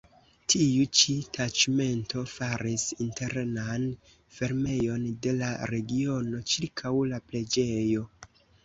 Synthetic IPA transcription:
tʰiut͡ʃitʰat͡ʃme̞nto̞faɾisinte̞ɾnan | fe̞ɾme̞jo̞nde̞laɾe̞ɡio̞no̞t͡ʃiɾkʰawlaple̞d͡ʒe̞jo̞

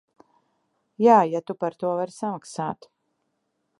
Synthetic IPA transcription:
jaːjat̪upaɾt̪uɔvaɾsamaksaːt̪

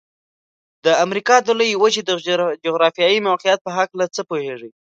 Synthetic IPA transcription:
d̪əamɾikɑd̪oləjwət͡ʃid̪əd͡ʒoɣɾɑfijɑjimawqijat̪̚pəɦaklat͡səpoheʐi

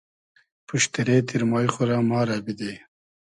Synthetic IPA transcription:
puʃt̪iɾeːt̪iɾmɑːjxʊɾamɑːɾabid̪e

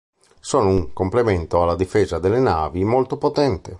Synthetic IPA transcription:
sɔːnouŋkomplement̪oalːad̪ifeːzad̪elːenaːvimolt̪opot̪ɛnt̪e

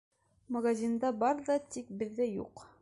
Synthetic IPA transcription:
mɐɡazʲind̪ɑbɑɾðɑt̪ik̚bɘ̆ðːɘjṵq

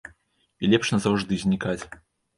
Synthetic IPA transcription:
ilʲɛpʂnɐzɐwʐd̪ɨzʲnʲikat͡sʲ

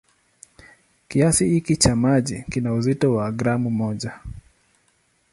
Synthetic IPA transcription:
kiasihikit͡ʃamaʄikinauzitɔwaɡɾamumɔʄa

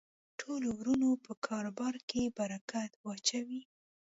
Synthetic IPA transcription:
ʈʰolowɾunopəkʰɑɾobɑɾkebaɾakat̪wɑt͡ʃawi

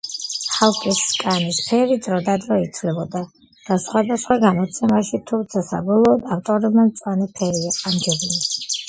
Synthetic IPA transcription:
halˠkʼiskʼanispʰɛɾid̪zɾɔd̪ad̪ɾɔit̪sʰvlɛbɔd̪a | d̪̥asχwad̪asχwaɡamɔt̪sʰɛmaʃit̪ʰumt̪sʰasa̰bɔlˠɔːd̪aft̪ʼɔɾɛbmamt̪sʼwanipʰɛɾiaamd͡ʒɛbii

